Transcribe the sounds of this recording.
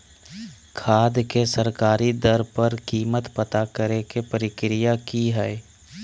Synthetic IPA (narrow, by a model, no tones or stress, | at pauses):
kʰaːd̪kesəɾkaːɾid̪əɾpəɾkiːmət̪pət̪akəɾekepəɾɪkɾɪjakiɦɛɛ